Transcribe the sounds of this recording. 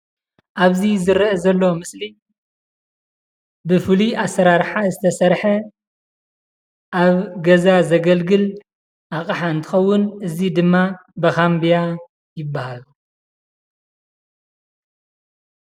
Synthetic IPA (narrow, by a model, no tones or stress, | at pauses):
ʔaβzizɨɾʔɐzɐlːomɨsli | bɨfɨliasɐɾaɾħazɨt̪ʰɐsɐɾħɐ | ʔaβɡɐzazɐɡɐlɡɨl | ʔakʼħaɨnt̪ʰɨxɐwːʊnɨzid̪ɨmːabɐxambija | jɪbːahalu